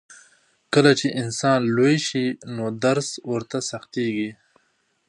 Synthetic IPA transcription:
kəlat͡ʃeʔɪnsɑːnlojʃinoːd̪ɐɾswoɾt̪asɐxt̪iːɡi

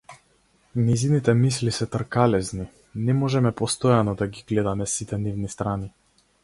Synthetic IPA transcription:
nɛjzinit̪ɛmislisɛt̪rkalɛzni | nɛmɔʒɛmɛpɔst̪ɔjanɔd̪aɡiɡlɛd̪amɛsit̪ɛnivnist̪ɾani

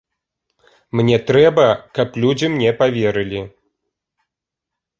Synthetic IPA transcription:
mnʲɛt̪ɾɛbɐkɐplʲud͡zʲimnʲɛpavʲɛɾɨlʲi

